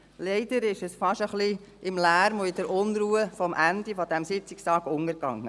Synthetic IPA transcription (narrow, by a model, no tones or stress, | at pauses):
lɛɪd̥̪əɾɪʃɛsfɑʃəχliʔɪmlæːɾmoid̥əɾʔʊnɾuːəfɔmʔænd̥̪ifɔd̥̪æmsɪt͡sɪkstɑːɡ̥ʊŋəɾɡɑ̰ŋːə